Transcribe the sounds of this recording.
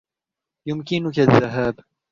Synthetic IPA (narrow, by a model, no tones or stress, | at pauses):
jʊmkɪnʊkaðːaɦaːb